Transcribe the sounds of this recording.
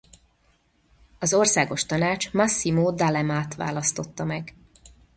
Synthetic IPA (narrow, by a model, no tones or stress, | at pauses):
ɒzo̞rsaːɡo̞ʃt̪ɒnaːt͡ʃmɒsːimoːd̪alɛmaːt̪ʋa̰ːlɒst̪o̞t̪ːɒmɛɡ